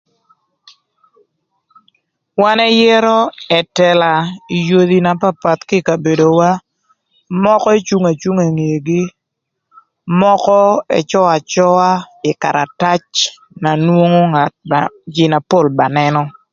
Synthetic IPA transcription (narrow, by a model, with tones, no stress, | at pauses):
wa˦nɛ˦jɛ˦ɾɔ˦ɛ˨tɛ˨la˨i˨jo˨ði˨na˨pa˦pa˨t̪kɪ˦ka˨be˨do˨wa˦ | mɔ˦kɔ˦e˦t͡ʃu˦ŋa˨t͡ʃu˦ŋa˨ŋe˨ɡi˦ | mɔ˦kɔ˦ɛ̰˨t͡ʃɔ˦a˨t͡ʃɔ˦a˦ | ɪ˨ka˨ɾa˨ta˦t͡ʃ | na˨nwo˦ŋo˦ŋa˨t̚d͡ʒɪ˨na˨po˦˨lba˨nɛ˦nɔ˦